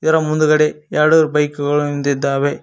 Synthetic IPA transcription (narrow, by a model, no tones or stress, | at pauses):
ɪɾɐmʊnd̪ɯɣɐɽejaːɽɯɾbɐɪkːɯɣɐɭɯmɪnd̪ɪd̪aːʋe